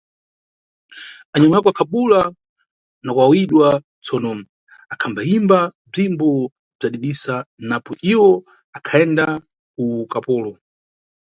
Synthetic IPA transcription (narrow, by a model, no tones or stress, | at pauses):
aɲamɔjakɔakʰaɓula | nakwawiɗwa | t͡sɔnɔ | akʰambaimba | b͡ʐimbɔ | b͡ʐaɗiɗisanapɔʔiwɔ | akʰaɛnda | ukapɔːlɔ